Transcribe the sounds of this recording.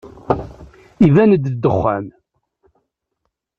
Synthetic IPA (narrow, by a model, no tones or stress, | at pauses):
ivænəd̪d̪ːəχːæ̰m